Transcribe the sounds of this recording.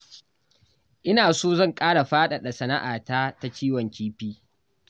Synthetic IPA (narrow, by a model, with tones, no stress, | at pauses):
ʔɪ˦naː˨soː˦zɐ˦˨ŋkʼaː˦ɽa˨ɸaː˦ɗa˨ɗa˨sɐ˨na˦ʔaː˨taː˦ta˦t͡ʃiː˦wɐ˨ŋkʲiː˦ɸiː˦